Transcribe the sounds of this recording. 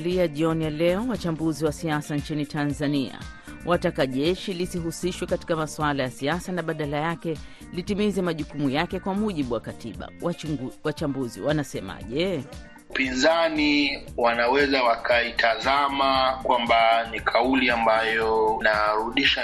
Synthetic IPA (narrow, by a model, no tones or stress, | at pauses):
liaʄiɔnijalɛɔwat͡ʃambuziwasiasant͡ʃinitʰanzania̰ | wʔatakaʄɛʃilisiɦusiʃwɛkati̥kamaswalajasiasanaɓaɗalajakɛ | litimizɛmaʄukumujakɛkwamuʄiɓuwakatiɓa̰awat͡ʃambuzḭwanasɛma̰ʄɛ | upinzaniwanawɛzawakʰaitʰazamakwambanikʰauliambajɔnaɾuɗiʃa